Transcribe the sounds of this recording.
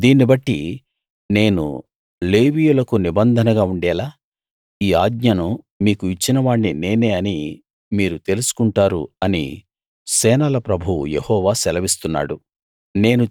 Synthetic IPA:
d̪iːnibɐʈːi | ne̞ːnṵ | leːʋiːjulɐkunibɐnd̪ʱɐnɐɡaːuɳɖɛːlaː | iːaːɡɲɐnu | miːkuit͡ʃːinɐʋaːɳːine̞ːneːɐni | miːɾut̪e̞lusu̥kuɳʈaːɾṵɐnḭ | sɛːnɐlɐpɾɐbʱujehɔːʋaːsɛlɐʋist̪unːa̰ːɽu | ne̞ːnu

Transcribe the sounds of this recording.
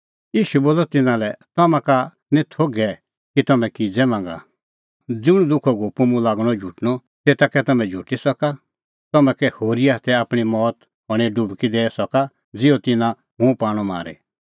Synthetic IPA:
jiːʃuboːlɔt̪ɪnãlɛt̪ɔmãka | nĩt̪ʰoɡɛ | kit̪ɔmɛ̃kid͡zɛmãːŋɡa̰ | d͡zʊɽ̃ud̪ʊkʰɔɡoːpumũlaːɡɽ̃ɔd͡ʒʱuʈñɔ | t̪eːt̪akɛt̪ɐmɛ̃d͡ʒʱuʈisɔka | t̪ɔmɛ̃kɛhoːɾiaːt̪ɛaːpɽ̃imɔːt̪ | ɦɔɽ̃eɖubkid̪eːsɔka | d͡zɪɔt̪ɪnã | ɦũpaːɽ̃ɔma̰ːɾḛ

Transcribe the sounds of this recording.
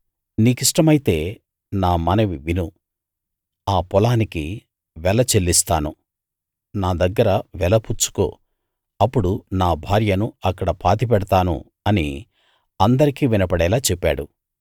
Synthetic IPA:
niːkiʂʈɐmɐjit̪e̞ː | naːmɐnɐʋiʋinu | aːpɔlaːniki | ʋɛlɐt͡ʃe̞lːist̪aːnu | naːd̪ɐɡːɐɾɐʋɛlɐput͡ʃːu̥ko̰ː | ɐpːuɽunaːbʱaːɾjɐnuɐkːɐɽɐpʰaːt̪ip̬ɛɽɐt̪aːnṵ | ɐnḭ | ɐnd̪ɐɾikiːʋinɐpɐɽɛːlaːt͡ʃepːa̰ːɽu

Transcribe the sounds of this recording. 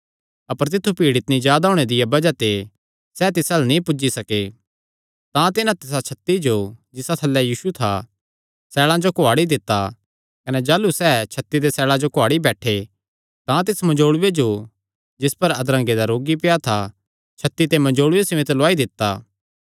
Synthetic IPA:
ɐpəɾt̪̬ɪt̪ʰːupiːɽɪt̪nĩd͡ʒjaːd̪aɦõːɽ̃ed̪ɪjabɐd͡ʒat̪e | sɛːt̪ɪsaːlnĩpʊd͡ʒisɐke | t̪ãt̪ɪnãt̪ɪs̬at͡ʃʰɐt̪ːid͡ʒod͡ʒɪsat̪ʰɐlːɛjiːʃut̪ʰa̰ | sɛːɭãd͡ʒokʊaːɽid̪ɪt̪ːa | kɐnɛd͡ʒaːlusɛːt͡ʃʰɐt̪ːid̪esɛːɭãd͡ʒokoaːɽibɛːʈʰe | t̪ãt̪̬ɪsmɐ̃ɲd͡ʒoːɽʊwed͡ʒo | d͡ʒɪspɐɾɐd̪ɾɐ̃ŋɡed̪aɾoːɡipɪjat̪ʰa | t͡ʃʰɐt̪ːit̪emɐ̃d͡ʒoːɽʊʋesɪõɪt̪loaːid̪ɪt̪ːaː

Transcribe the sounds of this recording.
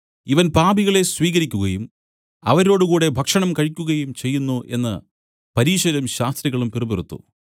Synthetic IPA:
iʋɐnpaːbiɣɐɭe̞swiːɣɐɾikʲːuɣɐjum | ɐ̰ʋɐɾo̞ːɽukuːɽe̞bʱɐkʂɐɳɐmkɐɻikʲːuɣɐjumt͡ɕe̞jːunːuʔe̞̰nːɨ̰ | pɐɾiːɕɐɾɐmɕaːst̪riɣɐɭumpirɨbirut̪ːṵ

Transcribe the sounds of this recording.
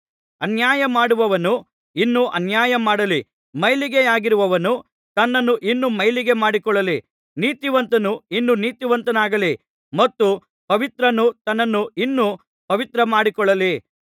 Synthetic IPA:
ɐnjaːjɐmaːɽuʋɐʋɐnu | inːuʔɐnjaːjɐmaːɽɐli | mɐjliɡeaːɡiɾuʋɐʋɐnu | t̪ɐnːɐnːuʔinːumɐjliɡe̞maːɽikɔɭːɐli | niːt̪iʋɐnt̪ɐnuinːuniːt̪iʋɐnt̪ɐnaːɡɐli | mɐt̪ːu | pɐʋit̪ɾɐnut̪ɐnːɐnːuinːu | pɐʋit̪ɾɐmaːɽikɔɭːɐli

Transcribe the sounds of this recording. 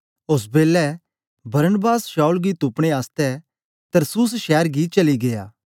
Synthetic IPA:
ʊs̬beːlɛ | bɐɾənbaːsʃaːulɡit̪upɽ̃eaːst̪ɛ | t̪ɐɾsuːs̬ʃɛːɾɡit͡ʃɐliɡeja̰ː

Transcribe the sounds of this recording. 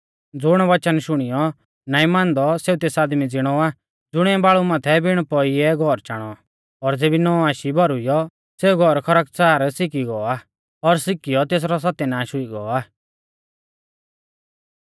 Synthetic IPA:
d͡zʊɽ̃ɔʋɐt͡ʃənʃʊɽ̃ijɔ | naːĩmãːnd̪ɔseːut̪eːsaːd̪mid͡zɪɽ̃ɔa | d͡zʊɽ̃ɛ̃baːɭumãːt̪ʰɛbɪɽ̃pɔiɛɡʱɔɾt͡ʃaːɽ̃ɔ | ɔɾd͡zeːbinɔaːʃibʱɔɾʊijɔ | seːuɡʱɔɾkʰɐɾək̚t͡saːɾsɪkiɡɔa | ɔɾsɪkijɔt̪eːs̬ɾɔs̬at̪ɛnãːʃʊiɡɔ̰aː

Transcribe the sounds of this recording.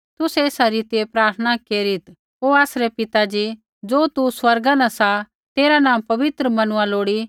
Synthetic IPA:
t̪ʊsɛeːsaɾiːt̪iepɾaːɾt̪ʰənakeːɾɪt̪ | oːaːsɾɛpɪt̪ad͡ʒi | d͡ʒoːt̪uswɐɾɡãnãsa | t̪eːɾanãːmpɐʋɪt̪ɾəmɐnʊãloːɽi

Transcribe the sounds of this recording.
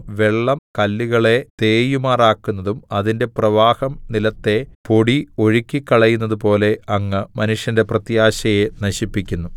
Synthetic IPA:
ʋe̞ɭːɐmkɐlːiɣɐɭe̞t̪eːjumaːraːkːunːɐðumɐðinde̞prɐʋaːhɐmnilɐt̪ːe̞po̞ɽio̞ɻikʲːikːɐɭɐjunːɐðupo̞ːle̞ɐŋːɨmɐnuʂjɐnde̞prɐt̪jaːɕɐjenɐɕipːikʲːunːu

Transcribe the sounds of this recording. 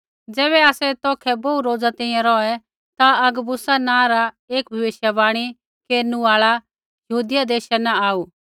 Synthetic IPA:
d͡zɛːβɛaːsɛt̪ɔːkʰɛboːuɾoːd͡zat̪ɛ̃ĩjãɾɔɛ | t̪aɐɡbʊsanãːɾa | eːkbʱɐʋeːʃjabaːɽ̃i | keːɾnũaːɭa | jɐɦuːd̪ɪjad̪eːʃɛnaaːu

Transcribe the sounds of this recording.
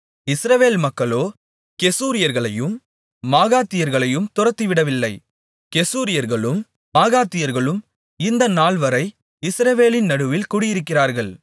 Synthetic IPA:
ɪsɾɐʋeːlmɐkːɐɭoː | kɛsuːɾɪjɐɾɣɐɭɐjɯmː | aːɣaːt̪ːɪjɐɾɣɐɭɐjɯmt̪ʊrɐt̪ːiʋɪɽɐʋɪlːɐɪ | kɛsuːɾɪjɐɾɣɐɭɯm | maːɣaːt̪ːɪjɐɾɣɐɭɯm | ɪnd̪ɐnaːɭʋɐɾɐɪ | ɪsɾɐʋeːlɪnːɐɽɯʋɪlkuːɽɪjɪɾɯkːɪraːɾɣɐɭ

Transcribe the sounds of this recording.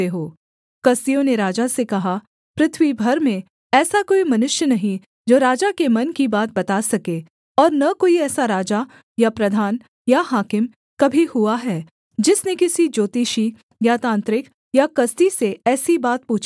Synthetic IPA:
eɦoː | kɐst̪ijõneɾaːd͡ʒasekɐɦa | pɾɪt̪ʰwibʱɐɾmẽ | ɛːsakoːimɐnʊʃjənɐɦĩ | d͡ʒoːɾaːd͡ʒakemɐnkibaːt̪̚bɐt̪asɐkeː | ɔːɾnɐkoːiɛːsaɾaːd͡ʒa | japɾɐd̪ʱaːn | jaɦaːkɪm | kɐbʱihuaɦɛː | d͡ʒɪsnekɪsid͡ʒoːt̪iːʃi | jat̪ãːnt̪ɾɪk | jakɐst̪iseɛːsibaːt̪̚puːt͡ʃʰ

